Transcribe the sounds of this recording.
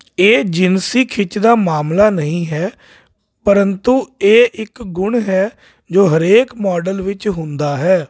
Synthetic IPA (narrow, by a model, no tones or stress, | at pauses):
eːd͡ʒɪnsiːkʰɪt͡ʃd̪aːmaːmlaːnəɦĩːɦɛː | pəɾənt̪ũːeːʔɪkɡʊɳɦɛː | d͡ʒoːɦəɾeːkmɔːɖəlʋɪt͡ʃɦʊ̃nd̪aːɦɛː